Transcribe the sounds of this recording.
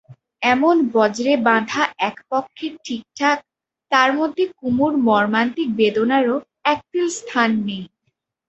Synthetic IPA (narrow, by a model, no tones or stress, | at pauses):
ɛmonbɔd͡ʑɾebãd̪ʱaɛkpɔkʰːeɾʈʰik̚ʈʰak̚ | t̪aɾmod̪ʱːekumuɾmɔɾmant̪ik̚bed̪onaɾo | ɛk̚t̪ilst̪ʰanːej